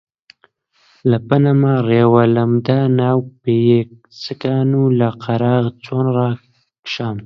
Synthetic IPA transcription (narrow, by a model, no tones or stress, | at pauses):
lapanamaɾewalamd̪anawpejek̚ | səkaːnulaqaɾɑːɣt͡sonɾa | kʃaːm